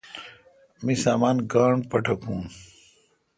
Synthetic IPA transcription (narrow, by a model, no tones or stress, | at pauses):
misaːmaːnɡaːɳpɐʈʰɐkũː